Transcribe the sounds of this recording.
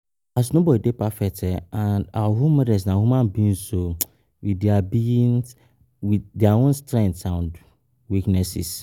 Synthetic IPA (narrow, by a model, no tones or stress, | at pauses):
as̬nobɔdidepʰafɛk̚tʰɛãnawahũmɔdɛs̬nãhũmãnbĩn̩so | widabiĩn | widɛaõnstɹɛ̃ŋtãn | wiknɛsḭs